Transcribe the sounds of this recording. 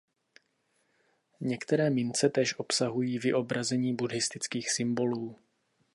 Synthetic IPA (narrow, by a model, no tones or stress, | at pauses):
ɲɛkt̪ɛɾɛːmɪnt͡sɛt̪ɛːʃʔo̞psaɦujiːvɪʔo̞bɾazɛɲiːbudɦɪst̪ɪt͡skiːxsɪmbo̞luː